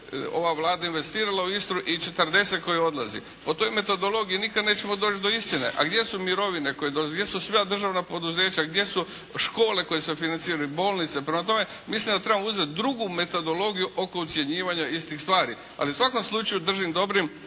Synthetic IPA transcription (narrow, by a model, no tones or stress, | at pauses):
o̞̰ʋaʋlˠaːd̪ainʋe̞st̪iːɾalauist̪ɾuʔit͡ʃe̞t̪əɾd̪e̞se̞t̪ko̞jio̞d̪lˠazḭ | po̞t̪o̞jme̞t̪o̞d̪o̞lˠo̞ɡijinikad̪neːt͡ɕe̞mo̞d̪o̞ːt͡ʃd̪o̞ist̪ine̞̰ʔa̰ɡd̪je̞sumiɾo̞ʋine̞ko̞jed̪ozɡd̪je̞susʋad̪r̩ʒaʋnapo̞d̪uze̞ːt͡ɕaɡd̪je̞su | ʃko̞ːle̞ko̞jesefinant̪siːɾajubo̞ːlˠnit̪se̞pɾemat̪o̞me̞mislimd̪at̪ɾe̞bamouzet̪̚d̪ɾuɡume̞t̪o̞d̪o̞lo̞ɡijuʔo̞ko̞ut̪sʲje̞ɲiːʋaɲaist̪ixst̪ʋaːɾi | a̰liusʋako̞mslˠut͡ʃajud̪r̩ʒimd̪o̞bɾim